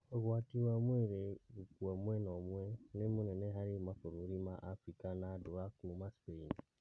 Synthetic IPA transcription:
oɡwatiwamweɾeukuamuenɔmuenemunɛnɛɦaɾimafoɾuɾimaʔafɾikanaduɾakumaspein

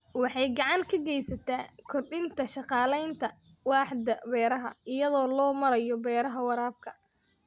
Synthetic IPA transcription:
wɑħɑjɡɑʕɑŋkʰɐɡɛjsɐt̪ʰaːkʰɔrɖɪnt̪ʰɐʃɑqɑːlɛjnt̪ʰɐ | wɑːħd̪ɐbɛːɾɐɦɐ̰ɪjɐðɔːlɔːmɐɾɐjɔbɛːɾɐɦɐwɑɾaːb̚kʰɐ

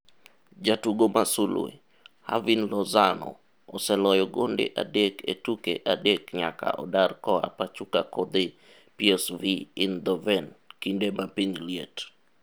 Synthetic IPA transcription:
d͡ʒatuɡomasulṵḛ | ha̰vinlɔzanɔ̰ː | sɛlɔjɔɡondḛʔadeketukeʔadekɲa̰ka̰ʔɔ̰darkɔa̰pat͡ʃukakod̪e | piɛsviind̪ɔvɛnkindemapiŋliet

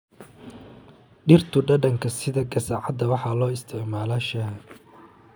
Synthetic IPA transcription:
ɖɪrt̪ʰʊɖɐɖɐŋkʰɐsɪðɐɡɐsaʕɑd̪ɐwɑħɑlɔːɪst̪ʰɪʕmaːlaːʃɐ

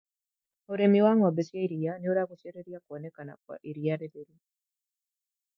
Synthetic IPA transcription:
oɾemiwaŋabesjaiɾianɛoɾaɡosjɛɾeɾjakɔnɛkana̰kwa̰ʔiɾijaɾedeɾi

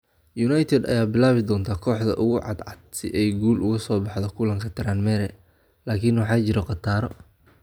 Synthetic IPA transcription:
junajt̪ʰɛd̪ɐ̰jaːbɪlaːβɪd̪ɔːnt̪ʰaːkʰɔːħd̪ɐ̰ʔʊɣʊʕɑ̰d̪ʕɑd̪̚sɪʔɛjɡuːlʔʊɣɐsɔːbɑħðɔkʰʊlɐŋkʰɐt̪ʰɪɾaːnmɛɾɛ | laːkʰinwɑħɑːt͡ʃɪɾɛqɑt̪ʰaːɾɔ̰

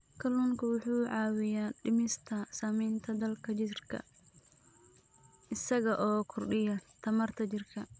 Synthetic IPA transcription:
kʰɐluːŋkʰɐwʊħuːʕɑːwɪjaːɖɪmɪst̪ʰɐsaːmɛjnt̪ʰɐd̪ɐlkʰɐt͡ʃɪrkʰɐ̰ | ɪsɐɣɐʔɔːkʰʊrɖɪjɐt̪ʰɐmɐrt̪ʰɐt͡ʃɪrkʰɐ

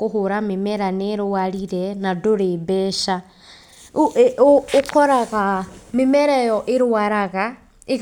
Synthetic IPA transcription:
kuɦuɾamemeɾaneɾuwaɾiɾenadoɾebɛʃa | koɾaɣamimeɾejɔʔiɾuaɾaɣa | i

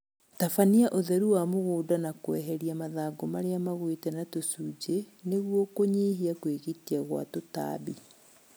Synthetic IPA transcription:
tafaniaʔoðɛɾuwamoɣoːdanakoɛɦɛɾiamaðaɡomaɾeamaɣwetɛnatosuːd͡ʒeneɣwɔkoɲiːɦiakweɣitiaɣwa̰tota̰bi

